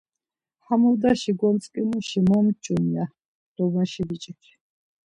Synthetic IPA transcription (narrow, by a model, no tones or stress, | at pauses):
hamuld̪aʃiɡɔnt͡sʼkʼinuʃimɔmt͡ʃʼumja | d̪̥ɔbɔnʃibit͡ʃʼikʰi̥